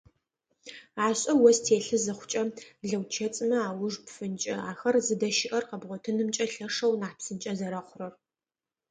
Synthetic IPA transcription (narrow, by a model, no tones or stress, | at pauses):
aːɕʼɐwɔstʰeːɬɨzɨχʷʊt͡ʃʼɐɮɐwt͡ʃʰɐt͡sʼɨmɐaːwʊʐpfɨnt͡ʃʼɐ̰aːxɐrzɨdɐʃɪʔɐrqɐbʁʷɔtʰɨnɨmt͡ʃʼɐɬɐʂɐwnaːpsɨnt͡ʃʼɐzɐɾɐχʷʊrɐr